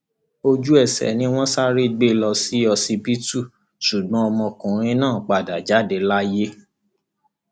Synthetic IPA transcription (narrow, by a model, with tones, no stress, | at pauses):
o˧d͡ʒu˦ɛ˦˨sɛ̰˨nĩ˧w̃ɔ̃˦sa˦ɾi˦˨ɡ͡be˦lɔ˧si˦ɔ˧si˧bi˦tu˦˨ | ʃu˨ɡ͡bɔ̃˦ɔ˧mɔ̃˧kũ˨ɾ̃ĩ˦nãː˦˨k͡pa˨da˨d͡ʒa˨˦de˧la˦je˦